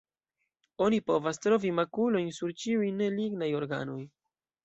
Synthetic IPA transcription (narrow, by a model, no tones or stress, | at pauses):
o̞nipo̞vastɾo̞vimakulo̞jnsuɾt͡ʃiujne̞liɡnajo̞ɾɡa̰noj